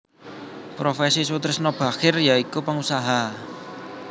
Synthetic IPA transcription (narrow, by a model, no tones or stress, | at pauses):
pɾofesiswut̪ɾɪsnɔb̥a̤xɪrjaikupaŋusaɦa